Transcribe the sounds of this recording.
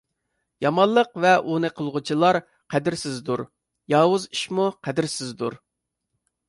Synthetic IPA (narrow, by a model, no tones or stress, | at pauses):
jɑmɑnlˠəqvɛʔunɨqʰəlˠʁʊt͡ʃʰilˠɑɾ | qʰæd̪ɪɾsɪzd̪uɾ | jɑːwʊziʃmuqʰæd̪ɪɾsɪzd̪uɾ